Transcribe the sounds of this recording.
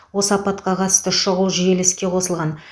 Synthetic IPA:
wo̞sɑpɑt̪qɑqʰɑt̪ə̥st̪əʃəʁulˠʒije̞lɪskʲe̞qʰo̞səlˠʁɑn

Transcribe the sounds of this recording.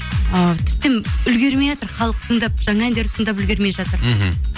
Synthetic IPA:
ət̪ʰɪ̥p̚t̪emʏlɡʲe̞ɾmejʒɑt̪əɾχɑlˠəqt̪ʰəɴd̪ɑp̚ʒ̥ɑŋɑænd̪eɾɪt̪ʰəɴd̪ɑpʏlɡʲe̞ɾme̞jʒɑt̪əɾ

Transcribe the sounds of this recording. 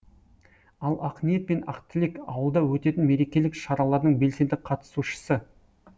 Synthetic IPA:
ɑlˠɑqmije̞t̪̚me̞nɑ̰qt̪ɪlekɑwəlˠd̪ɑwɵt̪e̞t̪ɪnme̞ɾe̞kʲe̞lɪkʃɑɾɑlˠɑɾd̪əɴbe̞lse̞nd̪ɪk̚qʰɑt̪ə̥suʃə̥sə

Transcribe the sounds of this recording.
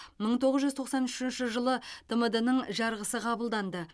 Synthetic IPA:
məɴt̪ʰo̞ʁəzʒʏzt̪ʰo̞qsɑnʏʃɪnʃɪʒəlˠəd̪̥əməd̪ənəɴʒɑɾʁəsəqʰɑbəlˠd̪ɑnd̪ə

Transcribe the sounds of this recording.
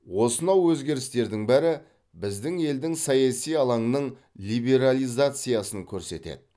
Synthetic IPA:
wo̞sənɑwwɵzɡʲe̞ɾɪst̪e̞ɾd̪ɪŋbæɾɪ | bɪzd̪ɪŋe̞ld̪ɪŋsɑjɑsijɑlˠɑɴnəɴ | lʲijbe̞ɾalʲˠijzat̪sɨjasəŋkʲʰɵɾse̞̰t̪ḛd̪ɪ

